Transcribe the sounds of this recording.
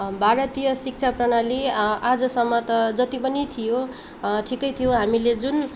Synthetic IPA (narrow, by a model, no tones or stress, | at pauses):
bʱaɾʌt̪ijʌsik̚t͡sʰaprʌnaliad͡zʌsʌmːʌt̪ʌd͡zʌt̪ipʌnit̪ʰijo | ʈʰikʌjt̪ʰijoɦamiled͡zun